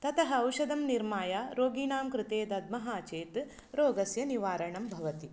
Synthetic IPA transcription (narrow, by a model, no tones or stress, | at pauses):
t̪ɐt̪ɐɦɐːwʃɐd̪ɐmniɾmaːjaɾoːɡiːnaːmkɾɪt̪eːd̪ɐd̪̚mɐɦaːt͡ʃeːt̪ | ɾoːɡɐsjɐniʋaːɾɐɳɐmbʱɐʋɐt̪i